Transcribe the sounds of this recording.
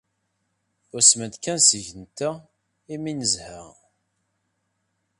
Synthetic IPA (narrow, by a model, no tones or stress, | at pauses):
ʊɾsmənd̪kænsəʝənt̪æ | iminəzhəʁ